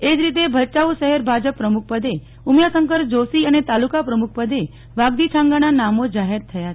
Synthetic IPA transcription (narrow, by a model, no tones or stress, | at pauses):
ed͡ʒɾit̪̬ebʱət͡ʃauʃəɦɛɾbʱad͡ʒəpːɾəmuk̚pəd̪e | umjasəŋkəɾd͡ʒosiənet̪alukapɾəmuk̚ʰpəd̪e | ʋaɡd̪it͡ʃʰãŋɡananamod͡ʒaɦeɾt̪ʰəja